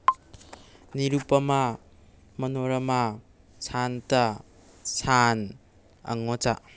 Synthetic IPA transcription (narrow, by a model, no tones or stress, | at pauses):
niɾupɐma | mɐnoɾɐma | santa | san | ɐ̰ŋot͡ʃa̰